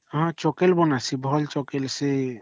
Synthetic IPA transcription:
ɦãt͡ʃɔkɛlbɔnasibʱɔlt͡ʃɔkɛlsɛ

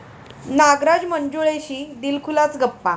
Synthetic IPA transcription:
naɡɾad͡ʑməɲd͡ʑuɭeɕiːd̪ilkʰulat͡sɡəpːa

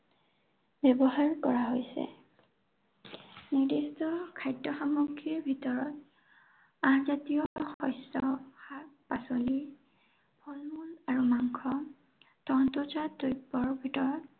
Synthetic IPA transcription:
bɛbɔɦaɹkɔɹaɦojsɛ̰ | niɹdistɔkʰajdɔxamukʰːiɹbʱitɔɹɔt̚ | aɹzatijɔxɔjsɔxapasoli | b̥ʰʱɔlmulaɹumaŋkʰɔ | tɔntɔzatːojbɔɹbʱitɔɹɔt

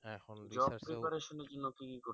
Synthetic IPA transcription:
d͡ʑɔbpːɾepaɾeʃoned͡ʑonːokikiko

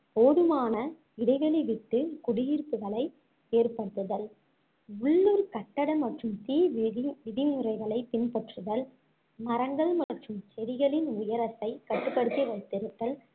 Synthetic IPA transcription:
poːðɯmaːnɐ | ɪɽɐɪɣɐɭɐʋɪʈːɯkʊɽɪjiːɾp̪ɯɣɐɭɐɪ | eːrpɐɽɯt̪ːɯðɐl | ʊɭːɯɾkɐʈːɐɽɐmɐʈrɯmt̪iːʋɪðɪmɯɾɐɪɣɐɭɐɪpɪnpɐʈrɯðɐl | mɐɾɐŋɡɐɭmɐʈrɯmt͡ʃɛɾɪɣɐɭɪnʊjɐɾɐsɐɪkɐʈːɯpːɐɽɯt̪ːiʋɐɪt̪ːɪɾɯt̪ːɐl

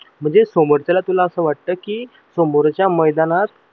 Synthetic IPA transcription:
m̤əɳd͡zesomoɾt͡ɕalat̪ulaəsəːʋaʈ̚t̪əːkiː | somoɾt͡ɕjaməjd̪anat̪̚

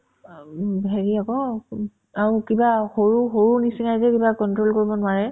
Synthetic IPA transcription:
bʱeɹiakɔ | aɹukibaxoɹuxoɹunisinajzɛkibakɔntɹolkoɹibɔnʊwaɹɛ

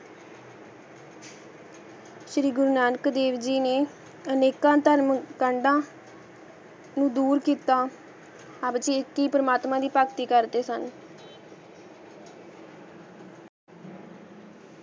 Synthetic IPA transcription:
ʃɾiːɡʊɾuːnaːnəkd̪eːʋd͡ʒiːneː | əneːkãːt̪əɾmkəɳɖãː | nũːd̪uːɾkiːt̪aː | aːbt͡ʃiɪkːiːpəɾəmaːt̪mãːd̪iːpakt̪iːkəɾd̪eːsən

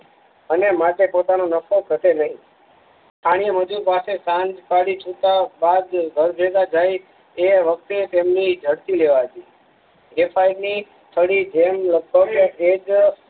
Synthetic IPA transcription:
ənemaʈ̪epot̪anonəfokʰət̪enəɦĩ | t̪ʰaɽ̃iəməd͡ʒuɾpasesãnd͡ʒpaɽit͡ʃʰut̪abad̪ɡʱəɾd͡ʒet̪ad͡ʒaj | eʋək̚t̪et̪emnid͡ʒʱəɽt̪ileʋaɦət̪i | ɡepʰaiʈni | t̪ʰəɽid͡ʒemləɡ̚bʱəɡed͡ʒ

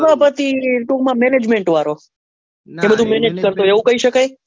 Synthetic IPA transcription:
ʋapət̪iʈũkmãmɛned͡ʒmẽɳʈʋaɾo | ebəd̪ʱũmɛned͡ʒkəɾt̪oeʋũkəiʃəkaj

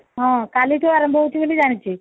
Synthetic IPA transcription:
ɦãkalit̪oaɾəmbʱəut͡ʃʰiʋelid͡ʑaɽ̃it͡ɕʰiː

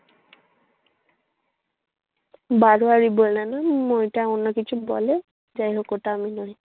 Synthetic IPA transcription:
baɹuaɹibolnanamojtaunɔkitʰubɔ̰lɛ | zajɦokɔtaːminɔɦi

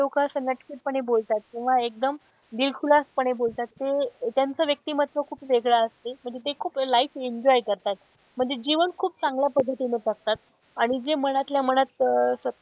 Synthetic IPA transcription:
okasənɡəʈkiːʈ̚pəɳɦebolt̪at̪̚kĩw̃ʋaek̚d̪əm | d̪ilfʰulaspəɳ̃ebolt̪at̪ːet̪jant͡səʋjək̚t̪iːmat̪ʋəkʰuːpʋeɡɭaəst̪eməɳd͡zet̪ekʰuːplaifeɲd͡ʑɔjkəɾt̪at̪ | m̤əɳd͡zed͡ʑiʋənkʰuːp̚t͡sãŋɡljapəd̪ʱːət̪inəʈək̚t̪at̪ | aɽ̃id͡zeməɽ̃at̪ljaməɽ̃at̪sʋət̪

